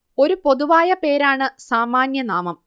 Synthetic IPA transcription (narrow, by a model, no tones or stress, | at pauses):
o̞ɾupo̞ðuʋaːjɐpe̞ːɾaːɳɨsaːmaːnjɐnaːmɐm